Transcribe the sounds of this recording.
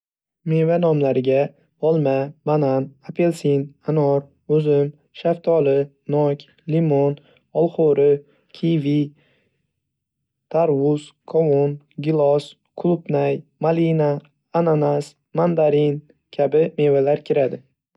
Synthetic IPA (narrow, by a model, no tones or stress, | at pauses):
me̞vanɒmlaɾɪɡʲa | ɒlˠmabananapʰe̞lsinanɒɾ | ʊzɪm | ʃaft̪ʰɒlɪ | nɒkʲ | limon | ɒlˠχoɾɪ | kʲʰivi | t̪ʰaɾwʊz̥kʰɒmon | ɡʲɪlˠɒs | kʰʊlˠʊpnajmalinaː | nanas | mand̪aɾin | kʲʰabɪme̞valaɾkʲʰɪɾad̪ɪ